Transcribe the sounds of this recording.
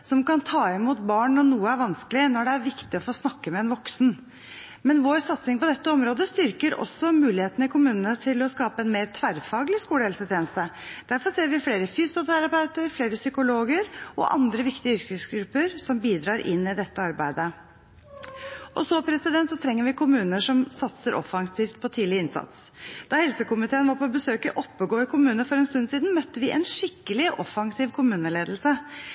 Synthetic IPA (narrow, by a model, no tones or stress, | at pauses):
sɔmkɑnt̪ʰɑːɪmuːt̪bɑːɳnɔɳuːəæɾʋɑnskəlɪnɔɖɛæɾʋɪkt̪ɪɔfoːsnɑkːəmɛɛnʋɔksn | mɛnʋoːɾsɑt̪sɪŋpɔd̪ɛt̪ːəɔmɾoːd̪əst̪ʏɾkəɾɔ̰sːɔmʉːlɪheːt̪ənəɪkʰʊmʉːnənət̪ʰɪlɔskɑːpəɛnmeːɾt̪ʰʋæɾfɑːɡlɪskuːləɛlsət̪ʰjeːnəst̪əd̪̥æɾfɔɾseːɾʋɪfleːɾəfyːsʊt̪ʰæɾɑpɑʉt̪əɾfleːɾəsʏkʊloːɡəɾɔ̰ʔɑ̰nd̪ɾəʋɪkt̪ɪəʏɾkəsɡɾʉpːəɾsɔmbiːd̪ɾɑːɾʔɪ̰nːɪd̪ɛt̪ːəɑɾbæɪd̪ə | ʔɔsɔpʰɾɛsɪd̪ɛnt̪sɔt̪ʰɾɛŋːəɾʋɪkʰʊmʉːnəʂɔmsɑt̪səɾʔɔ̰fɑŋsiːft̪̚pʰɔt̪ʰiːd̪lɪəɪnsɑ̰t̪s | d̪̥ɑhɛlsəkʊmɪt̪ʰeːənʋɑɾpʰɔbəsøːkəʔɔpːəɡoːɾkʰʊmʉːnəfɔɾɛnst̪ʉnːsiːd̪nmœt̪ːəʋɪʔɛ̰nʂɪkːəlɪʔɔfɑŋsiːʋkʰʊmʉːnəleːd̪lsə